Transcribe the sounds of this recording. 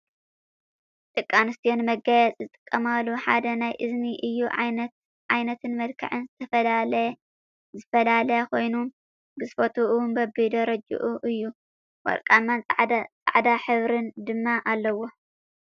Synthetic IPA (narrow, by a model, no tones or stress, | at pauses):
t̪ʼɨkʼːanɨst̪ʰijonmɐɡajɛt͡sʼzɨt̪ʼɨ̥kʼːɐmaluħa̰d̪ɐnajʔɨzniʔɨjːuʕa̰jnɐt̪ | ʕajnɐt̪ʰɨnmɐd̪kʰɐ̰ʕɨnzɨt̪ʰɐfɐlalɐj | zɨfɐlalɐjakʰo̞jnum | bɨzɨfɐt̪ʰuʔunbɐbid̪ɐɾɐd͡ʒṵʔuʔɨjːu | wɐ̰ɾkʼamːanʼt͡sʼa̰ʕd̪aħɨβɾɨnd̪ɨmːaʔalːɐwo̞